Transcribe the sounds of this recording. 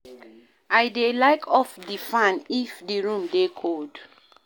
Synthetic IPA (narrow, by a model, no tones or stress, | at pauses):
ajdelaɪkʰɔfdifãnifdiɹũmdekʰold